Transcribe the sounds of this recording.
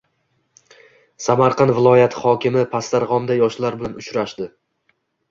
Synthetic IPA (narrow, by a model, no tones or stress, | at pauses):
samaɾqʰɑnvɪlˠɒjat̪ʰɪhɒkʲɪmɪpʰast̪aɾʁɒmd̪ajɒʃlaɾbɪlanʊt͡ʃɾaʃd̪ɪ